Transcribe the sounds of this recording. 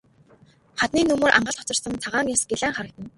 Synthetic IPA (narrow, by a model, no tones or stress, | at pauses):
χat̪niːnɵmoːɾʔa̰ɴɢə̆ɬt̪ʰɔt͡sə̥̆sə̆nt͡sʰaʁaːŋjasɡeɮæːŋχaɾə̆k̚t̪ə̆n